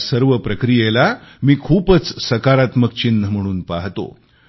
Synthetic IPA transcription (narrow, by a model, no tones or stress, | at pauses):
səɾʋəpɾəkɾijelamiːkʰuːpət͡ssəkaɾat̪mək̚t͡ɕinːəm̤əɽ̃uːnpaɦt̪o̰